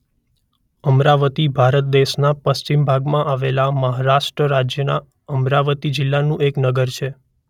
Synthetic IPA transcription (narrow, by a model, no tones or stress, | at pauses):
əmɾaʋət̪ibʱaɾət̪̚d̪eʃnapəst͡ʃimbʱaɡmãʔaʋelaməɦaɾaʃʈɾəɾad͡ʒjəna̰ | əmɾaʋət̪id͡ʒɪlːanũʔeknəɡəɾt͡ʃʰe